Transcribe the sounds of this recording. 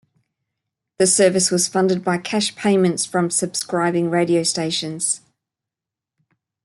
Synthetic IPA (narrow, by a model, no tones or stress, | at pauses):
ðəsɜːvɪswɒz̥fʌ̃ndɪd̚baɪkʰaʃpʰẽɪ̃mə̃ntsfɹə̃msəb̥skɹaɪbɪ̃ŋɹeɪɾiəʊsteɪʃə̃nz̥